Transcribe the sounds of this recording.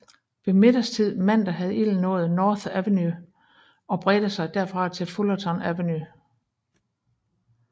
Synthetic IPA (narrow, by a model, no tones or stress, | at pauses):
ʋe̝me̝d̥ɐst͡sʰið̞̰ˠmæn̰d̥æɦæð̩ˠil̰nɔ̽ːð̞̩ˠnɒːθæʋeny | ɒ̽b̥ʁɛd̥əsɑ̈ɪd̥æɐfʁɑ̈t͡sʰe̝lfolɐt͡sʰɒ̽næʋeny